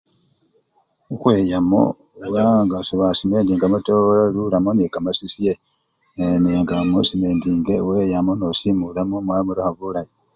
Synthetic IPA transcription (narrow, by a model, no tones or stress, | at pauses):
uxweːjamo̰ | βaŋɡasoβasimeːndiŋɡamutolalulamonekamasisije | neŋɡamusimendiːŋɡeweːjamonosimulamomwamuɾohaβulaji